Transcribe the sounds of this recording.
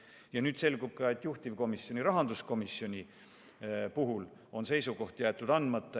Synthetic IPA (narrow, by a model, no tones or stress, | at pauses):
jɑnyːd̪̥se̞lɡub̥̚kɑe̞t̪ːˑjuht̪ivko̞misjo̞nʲiɾɑɦɑnd̪usko̞misjo̞nʲi | puɦul | o̞nse̞jsuɡo̞ht̪jæːt̪ːˑud̪ɑnd̪mɑt̪ˑːe